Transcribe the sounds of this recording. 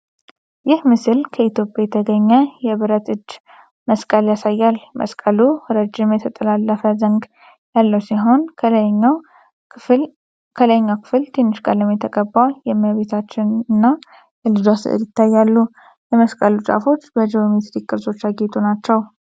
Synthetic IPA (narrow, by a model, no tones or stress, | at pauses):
jɪhmɨsɨlkʰəit̪ʰjo̞pʼjajɛt̪ʰəɡəɲːəjɛβɨɾət̪ʼɨd͡ʒ | məskʼəljasajːalmə̰skʼəluɾəd͡ʒːɪmjɛt̪ʰət̪ʼəlalːəfəzəŋɡ | jalːəwsiɦo̞n | kʰələɲːawkʰɨ̥fɨlt̪ʰenːɨʃkʼaləmjɛt̪ʰəkʼəbːajɛməβe̞t̪ʰat͡ʃːɪnɨnːa | jɛlɨd͡ʒasɨ̰ʔɨ̰ɾjɪt̪ːajːalːu | jɛməskʼəlut͡ʃʼa̰fo̞t͡ʃːbəd͡ʒiomet̪ɾikʼːɨɾzo̞t͡ʃːaɡet̪ʼunat͡ʃːɛw